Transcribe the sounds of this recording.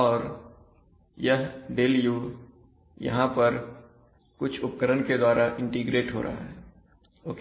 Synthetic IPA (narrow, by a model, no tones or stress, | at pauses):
ɔːɾ | jəɦɖeːlijuː | jɐ̰ɦãpɐɾ | kʊt͡ʃʰʊp̚kəɾənked̪waːɾaʔɪ̃ɳʈiɡɾeːʈɦo̰ːɾa̰a̰ɦɛː | oːke